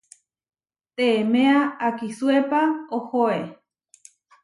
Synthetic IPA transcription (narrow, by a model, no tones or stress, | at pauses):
t̪eːmeaakisuepaohoe